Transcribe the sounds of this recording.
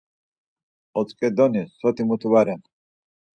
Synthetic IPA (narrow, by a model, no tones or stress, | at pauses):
ɔt̪t͡sʼkʼɛd̪ɔnisɔt̪ʰimut̪ʰuwaɾɛn